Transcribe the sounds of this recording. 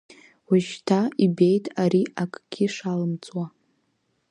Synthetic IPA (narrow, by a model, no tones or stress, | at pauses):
waʃtʰaibe̞jtʼaɾiakʼɡ̥ʲɪʂalɨmt͡sʼwa